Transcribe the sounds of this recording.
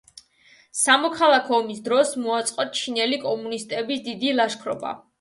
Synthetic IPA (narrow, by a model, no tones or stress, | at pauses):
samɔkʰalˠakʰɔːmisd̪ɾɔsmuat̪sʼqʼɔt̚t͡ʃʰinɛlikʼɔmunist̪ʼɛbisd̪id̪ilˠaʃkʰɾɔ̰ba̰